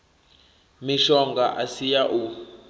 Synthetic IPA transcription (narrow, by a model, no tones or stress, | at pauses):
miʃɔŋɡaʔasijaʔu